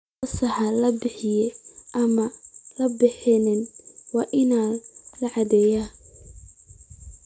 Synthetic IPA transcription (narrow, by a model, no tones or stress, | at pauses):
ɐsɐħɑlɐbɪħɪjɛʔɐmɐlɐbɪħɪnɪnwɑːʔɪnaːlɐʕɑd̪ɛjaː